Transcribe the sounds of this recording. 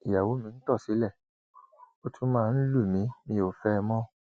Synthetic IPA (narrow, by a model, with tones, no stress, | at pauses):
i˨ja˨wo˨˦mĩ˨˧n̩˦tɔ˦˨si˨˦lɛ˦˨ | o˧tʰũ˦mãː˦˧n̩˦lu˦˨mĩ˨˦mĩ˧o˨fɛ˦˧mɔ̃˦